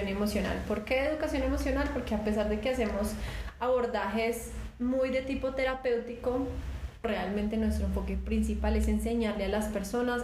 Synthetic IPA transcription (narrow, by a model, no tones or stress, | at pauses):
onemo̞sjona̰lpoɾkeðeðukasjo̞ne̞mo̞sjo̞nalpo̞ɾke̞ape̞s̬aɾd̪e̞ke̞ase̞mo̞saβo̞ɾd̪axe̞smujd̪e̞t̪ipo̞t̪e̞ɾape̞wt̪iko̞re̞almẽnt̪e̞nwest̪ɾofo̞kepɾinsipale̞se̞nse̞ɲaɾlealaspe̞ɾso̞nas